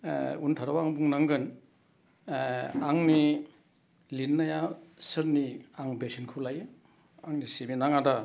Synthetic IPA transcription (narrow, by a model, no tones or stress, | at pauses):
untʰaɾawaŋbuŋnaŋɡɯn | aŋni | linːajasɯɾniaŋbesʰinkʰulajɯ | aŋniseminaŋada